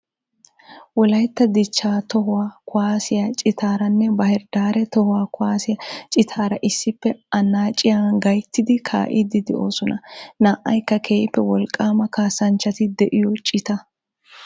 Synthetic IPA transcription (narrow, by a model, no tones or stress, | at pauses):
wɔlɐjt̪ːɐd̪ɪt͡ʃːaːt̪ɔɦʊwaːkʊwaːsɪjɐt͡ʃʼɪt̪aːɾɐnːɛbɐhɪɾd̪aːɾɛt̪ɔhʊwaːkʊwaːsɪjɐt͡ʃʼɪt̪ʰaːɾɐʔɪsːɪpːɛɐnaːt͡ʃʼːɪjaːɡɐjt̪ːɪd̪ɪkʰa̰ːʔɪd̪ɪd̪ɛʔoːsɔnɐnaːʔɐjkːɐkʰe̞ːpːɛwɔlkʼːaːmɐkaːsɐnt͡ʃːɐt̪ɪd̪ɛʔɪjɔt͡ʃʼɪt̪ɐ